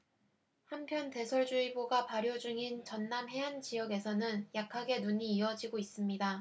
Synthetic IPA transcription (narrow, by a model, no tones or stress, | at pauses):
hampʰjʌnte̞sʰʌɭd͡ʑuiboɡapaɾjod͡ʑuŋint͡ɕʌnːamɦe̞ɦant͡ɕijʌɡe̞sʰʌnɯnjakʰaɡe̞nuɲiːʌd͡ʑiɡois͈ɯmɲida